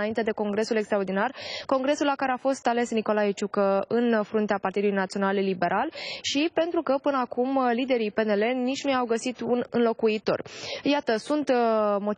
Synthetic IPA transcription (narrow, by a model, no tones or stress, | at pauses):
aint̪e̞d̪e̞ko̞ŋɡɾe̞sulekst̪ɾaord̪inarko̞ŋɡɾe̞sulakaɾe̞afo̞st̪ale̞sniko̞laet͡ʃukəɨnfɾunt̪eapart̪id̪ulujnat̪sio̞nallibe̞ɾʔalʃipe̞nt̪ɾukəpɨnəakumlid̪e̞ɾipe̞ne̞le̞nːit͡ʃʲnujawɡəsit̪unɨnlo̞kuit̪o̞̰rjat̪əsunt̪mo̞